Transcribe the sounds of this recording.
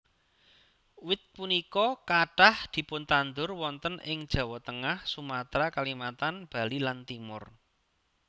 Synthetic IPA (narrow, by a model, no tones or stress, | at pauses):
wɪt̪̚punikɔkaɖ̥ahd̪̥i̤pʊnt̪and̪ʊrwɔnt̪ənɪ̰ŋd̥ʒ̥a̤wɔt̪əŋahsumat̪ɾakalimat̪anb̥a̤lilant̪imʊr